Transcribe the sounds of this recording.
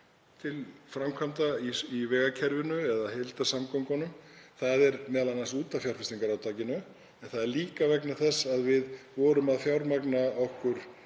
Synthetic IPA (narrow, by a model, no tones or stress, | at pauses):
t̪ʰɪlfɾamkʰvamt̪aiivɛːɣacʰɛɾvɪnʏɛðahɪlt̪asamkowŋkɔnʏmθaðɛɾmɛːðalanansuːt̪afjawɾ̥rfɪsiŋkaɾawt̪ʰaːcɪnʏ | ɛnθaðɛɾliːkavɛknaθɛsːaðvɪðvɔːɾʏmaðfjawɾmaknaɔhkʏɾ̥